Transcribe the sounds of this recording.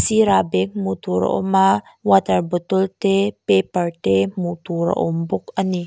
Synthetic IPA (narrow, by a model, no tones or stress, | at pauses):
siɾabɛk̚mut̪uɾə̰ʔo̰ma | wat̪əɾbət̪ult̪epepərt̪emut̪uɾə̰ʔumbʊkəni